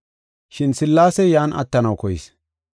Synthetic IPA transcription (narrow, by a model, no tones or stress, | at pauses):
ʃɪnsɪlːaːsɛjaːnʔɐ̰t̪ːɐnɐwkɔjɪ̰s